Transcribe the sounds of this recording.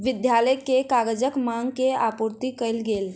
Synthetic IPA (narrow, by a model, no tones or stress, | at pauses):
ʋid̪jaləjkekaɡəd͡ʒəkmaŋɡkeapuɾt̪ikəjlɡel